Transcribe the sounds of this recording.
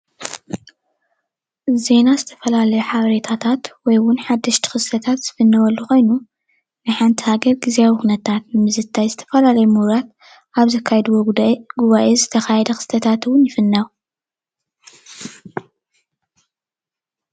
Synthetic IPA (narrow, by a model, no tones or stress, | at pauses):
ze̞nazɨt̪ʰɐ̥fɐlalɐjuħaβɐɾet̪ʰat̪ʰat̪wɔjwʊnħad̪ːɐʃt̪ʰi̥xɨst̪ʰɐt̪ʰat̪z̥ɨfɨnːɐwɐlːuko̞jnu | nɨħant̪ʰihaɡɐɾɡiziawixunɐt̪ʰat̪nɨmɨzɨt̪ʰːajzɨt̪ʰɐ̥fɐlalɐjumuhɾat̪ | aβzɐkʰːajɛd̪uwoɡuβaʔezɨt̪ʰɐxajɛd̪ɐxɨ̥st̪ʰɐt̪ʰat̪ɨwʊnjɪfɨnːaw